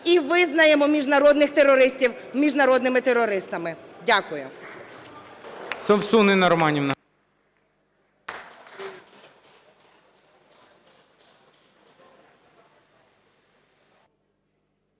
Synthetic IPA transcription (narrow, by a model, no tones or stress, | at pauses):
iʋɪznɐjemɔmʲiʒnɐɾɔd̪nɪxt̪erɔɾɪsʲtʲiwmʲiʒnɐɾɔd̪nɪmɪt̪eɾɔɾɪst̪ɐmɪdʲakʊjʊ | sɐwsunɪnɐɾɔmɑnʲiwn